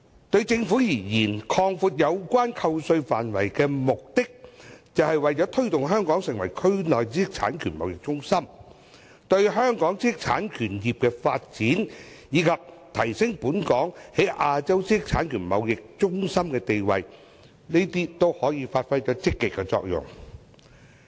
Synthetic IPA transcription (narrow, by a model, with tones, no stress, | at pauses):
t̪ɵ˧ɥt͡sɪ˧ŋfuː˨˥jiː˨˩jiː˨˩nkʰɔː˧ŋfuː˧t̚jɐ˨˧wkʷaː˥nkʰɐ˧wsɵ˧ɥfa̰ː˨nwɐ̰˨˩jkɛː˧mʊ˨k̚t̪ɪ˥k̚t͡sɐ˨whɐ˨jwɐ˨jt͡ʃɔː˨˥t̪ʰɵ˥t̪ʊ˨ŋɦœː˥ŋkɔː˨˥ŋsɪ˨ŋwɐ˨˩jkʰɵ˥ɥnlɔː˨jt͡si˥ɪ˥k̚t͡sʰa̰ː˨˥nkʰyː˨˩nmɐ˨wjɪ˨k̚t͡sʊ˥ŋsɐ˥m | t̪ɵ˧ɥɦœː˥ŋkɔː˨˥ŋt͡siː˥sɪ˥k̚t͡sʰa̰ː˨˥nkʰyː˨˩njiː˨p̚kɛː˧faː˧t̚t͡siː˨˥n | jiː˨˧kʰɐ˨p̚t̪ʰɐ˨˩jsɪ˥ŋpuː˨˥nkɔː˨˥ŋhe˨˥jʔaː˧t͡sɐ˥wt͡siː˥sɪ˥k̚t͡sʰaː˨˥nkʰyː˨˩nmɐ̰˨˧wjɪ˨k̚t͡ʃʊ˥ŋsɐ˥mkɛː˧t̪e˨jwɐ̰˨j | ne˥jt̪iː˥t̪o˥whɔː˨˥jiː˨˧faː˧t̚fɐ˥jt͡ʃɔː˨˥t͡sɪ˥kːɪ˨kːɛ˧t͡sɔ̰ː˧k̚jʊ̰˨˩ŋ